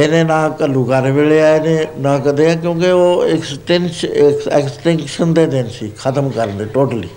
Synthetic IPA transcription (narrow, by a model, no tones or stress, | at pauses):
eːnẽːnãːkəlːukaːɾeʋeːɭeaːeneːnãːkəd̪eãːk̬jõːkɪoːɪksʈenʃkɛːksʈɪŋkʃənd̪eːd̪ensiːkʰət̪əmkəɾənd̪eːʈoːʈəlḭː